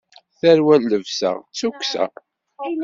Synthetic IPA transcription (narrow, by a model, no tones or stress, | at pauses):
θæɾwælːəvsæ̰ʁt͡sːuksæ̰